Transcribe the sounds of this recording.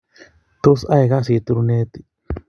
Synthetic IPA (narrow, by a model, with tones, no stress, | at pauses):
t̪u˦sa˦jɣa˦si˨˧˨t̪u˧ɾu˧ne˦t̪i̥˧